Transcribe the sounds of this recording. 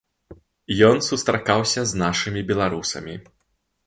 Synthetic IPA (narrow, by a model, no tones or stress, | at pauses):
jɔnsust̪ɾakawsʲɐznaʂɨmʲibʲɛlˠaɾusɐ̰mʲi